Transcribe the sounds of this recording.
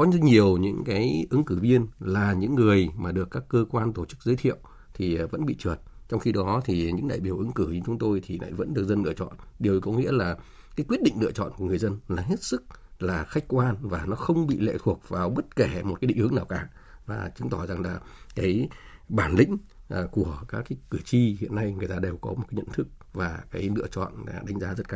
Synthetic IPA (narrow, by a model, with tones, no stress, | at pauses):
kɔ˨˦ɲi˨˩əwɲɨ̰˧˥ŋkaː˨˦jʔɨ˨˦ŋkɨ˧˩vi˧ənlaː˨˩ɲɨ̰˧˥ŋːɨ˨˩əjmaː˨˩ɗɨ˨˩əkːaː˦˥kːəː˧kwaː˧nt̪o˧˩t͡ɕɨ˦˥k̚zəː˨˦jt̪ʰḭ˧˨əw | t̪ʰi˨˩və̰˧˥nɓḭ˧˨t͡ɕɨ˨˩ət̚t͡ɕɔ˧wŋ͡mxi˧ɗɔ˨˦t̪ʰi˨˩ɲɨ̰˧˥ŋɗa̰ː˧˨jɓi˨˧˩əwʔɨ˨˦ŋkɨ˧˩ɲ˧t͡ɕʊ˨˦ŋ͡mt̪o˧jt̪ʰi˨˩la̰ː˧˨jvə̰˧˥nɗɨ˨˩ək̚zə˧nlɨ̰˧˨ət͡ɕɔ̰˧˨nɗi˨˩əwkɔ̰˨˦ŋḭ˧˥əlaː˨˩ | kaː˨˦jkwi˦˥ət̚ɗḭ˧˨ŋlɨ̰˧˨ət͡ɕɔ̰˧˨nku˧˩ŋɨ˨˩əjzə˧nlaː˨˩ɦe˦˥t̚sɨ˦˥k̚laː˨˩xa˦˥jk̟̚kwaː˧nvaː˨˩nɔ˨˦xə˧wŋ͡mɓḭ˧˨lḛ˧˨t̪ʰu˨˩ək̚vaː˨˩wɓə˦˥t̚ke˧˩mo˨˩t̚kaː˨˦ɗḭ˧˨ŋʔɨ˨˦naː˨˩wkaː˧˩vaː˨˩t͡ɕɨ˨˦ŋt̪ɔ˧˩za˨˩ŋlaː˨˩kaː˨˦jɓaː˧˩nlï˧˥ŋ̟ʔku˧˩əkaː˨˦˥kːaː˨˦jkɨ˧˩t͡ɕi˧hḭ˧˨ənːa˧jŋɨ˨˩əjt̪aː˧ɗe˨˩wkɔ˨˦m̚˨˩aː˨˦jɲə̰˧˨nt̪ʰɨ˦˥k̚ | vaː˨˩kaː˨˦jlɨ̰˧ət͡ɕɔ̰˧˨naː˨˩ɗa˨˦jŋ̟zaː˨˦zə˦˥t̚kaː˧˨